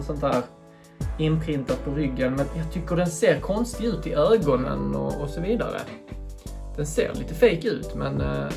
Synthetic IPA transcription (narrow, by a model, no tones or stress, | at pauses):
sɔnt̪hæːɾ | ɪnpʰɾɪnt̪ad̪̚pʰɔɾʏɡːənmɛnjɑt̪ʰʏkːəɖɛnseːɾkʰɔnst̪ɪɡʉ̟ːt̪ɪʔøːɡɔnə̰nɔ̰ɔsɔviːd̪a̰ɾə̰ | d̪̥ɛnsḛːɾlʔḭːt̪əfejkʉ̟ːt̪mɛn